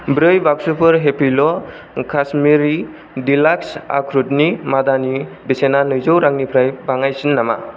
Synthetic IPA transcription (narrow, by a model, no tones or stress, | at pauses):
bɾɯjbak̚supʰɯɾɦepʰilɔ | kʰasmiɾi | dilaksa̰kʰɾut̚nimadanibesenanɯjzowɾaŋnipʰɾajbaŋajsinːama̰